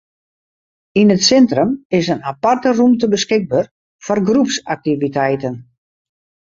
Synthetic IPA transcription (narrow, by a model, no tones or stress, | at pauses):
inətsɛntrəmɪsənapartərumtəbəskɪɡ̚bər | fɔrɡrupsak̚tivitɛjtən